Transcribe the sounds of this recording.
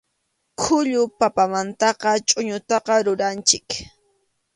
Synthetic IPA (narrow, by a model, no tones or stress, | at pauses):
kʰʊʎʊpapamant̪ɑqɑt͡ʃʼʊɲʊt̪ɑqɑɾʊɾant͡ʃɪk